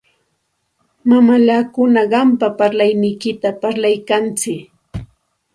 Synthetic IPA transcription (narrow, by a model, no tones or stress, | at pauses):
mamaʎaːkʊnaɢɑmpapaɾlajnɪjkɪt̪apaɾlajkant͡sɪk